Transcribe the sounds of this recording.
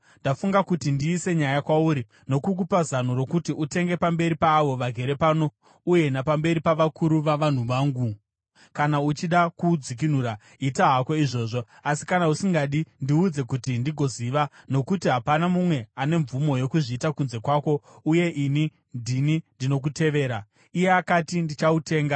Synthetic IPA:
ndafuŋɡakutindiːse̞ɲajakwauɾi | no̞kuk̬upazan̤oɾo̞kutiʔute̞ŋɡe̞pambe̞ɾipaːʋo̞ʋaɡʱe̞ɾe̞paːno̞ | uje̞napambe̞ɾipaʋakuɾuʋaʋan̤uʋaːŋɡu | kanaut͡ʃiɗakud͡zik̬in̤uɾa | itaɦako̞iʐo̞ːʐo̞ | asi̥kanausiŋɡaɗindiud͡ze̞kutindiɡʱo̞ziʋano̞kutiɦapanamumwe̞ane̞ɱvumo̞jo̞kuʐiːtakunze̞kwaːko̞uje̞ʔini | ndinindino̞k̬ute̞ʋe̞ːɾa | ije̞akatindit͡ʃaute̞ːŋɡa

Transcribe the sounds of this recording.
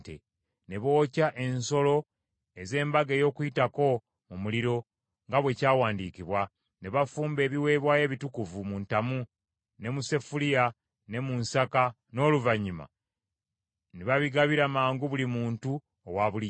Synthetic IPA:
tḛ | ne̞βo̞ːcaʔe̞nso̞lo̞ | e̞ze̞ːmbaɡe̞ːjo̞ːkuitako̞ | mumuliɾo̞ | ŋɡaβwe̞caːwaːndikiβwa | ne̞βafuːmbe̞ːβiwe̞ːβwaːje̞ːβitukuvumuntamu | ne̞muse̞fulija | ne̞munsaka | no̞ːluvaɲima̰ | neβaβiɡaβiɾamaːŋɡuβulimuːntu | o̰waβuli

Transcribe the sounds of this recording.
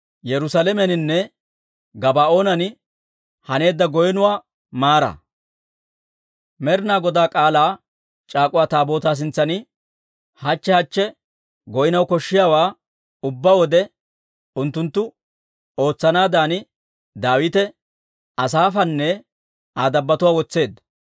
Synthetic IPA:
jɛɾʊsalɛmɛnɪnːɛ | ɡɐbaːo̞ːnɐnɪ | hɐne̞ːd̪ːɐɡɔjɛnʊwaː | maːɾɐ̰ | mɛɾɪnaːɡɔd̪aːkʼaːlaː | t͡ʃʼaːkʼʊwaːt̪aːbo̞ːt̪aːs̬ɪnt͡sːɐnɪ | hɐt͡ʃːɛhɐt͡ʃːɛ | ɡɔjɪnɐwkɔʃːɪjaːwaː | ʊbːawɔd̪ɛ | ʊnt̪ːʊnt̪ːʊ | o̞ːt͡sːɐnaːd̪aːnɪ | d̪aːwɪt̪ɛ | ɐsaːfɐnːɛ | aːd̪ɐbːɐt̪ʊwaːwɔt͡sːe̞ːd̪ɐ

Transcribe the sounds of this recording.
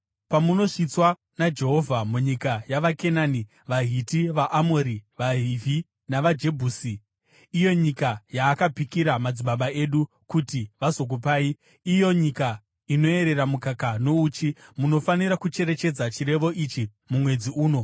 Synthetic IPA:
pamuno̞ʂit͡swa | nad͡ʒe̞ɦo̞vʱamuɲikajaʋake̞naːni | ʋaɦitiʋaʔamoɾiʋaɦivʱi | naʋad͡ʒe̞bʱuːsiː | jo̞ɲikajaːkapikiɾamad͡ziɓaɓae̞ɗu | kutiʋazo̞k̬upaːi | ijo̞ɲika | ino̞e̞ɾe̞ɾamukakano̞uːt͡ʃimuno̞faniɾakut͡ʃe̞ɾe̞t͡ʃe̞d͡zat͡ʃiɾe̞ʋo̞ʔit͡ʃi | mumwe̞d͡ziuːno̞

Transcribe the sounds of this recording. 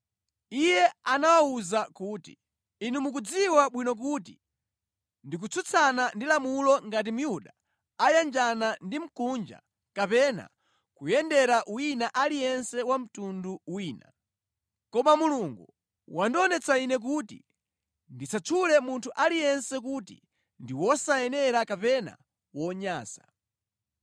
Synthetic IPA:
ijɛanawauzakutḭ | inumuk̬ud͡ziwaɓwinɔk̬uːt̬i | ndik̬ut͡sʰut͡sʰanandilamulɔŋɡat̬imujuɗa | ajand͡ʒanandim̩kund͡ʒa̰ | kapɛna̰ | kujɛndɛɾaʔuinaʔalijɛnsɛwam̩tunduwiːna̰ | kɔmamuluŋɡu | wandiɔnɛt͡sainɛk̬uːtḭ | ndit͡sat͡ʃʰulɛmuntʰuʔalijɛnsɛk̬utḭ | ndiwɔsajɛnɛɾakapɛna̰ | wɔɲaːsḁ

